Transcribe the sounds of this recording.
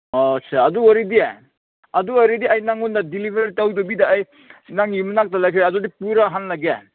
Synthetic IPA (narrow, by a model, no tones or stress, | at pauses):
ɔsʰeɐduɔɾidie | ɐduaɾidiajnaŋundadilibʰeɾɾtawdɔbidaːj | naŋjumnak̚talakʰaɾjɐdudipuɾaɦanlaɡe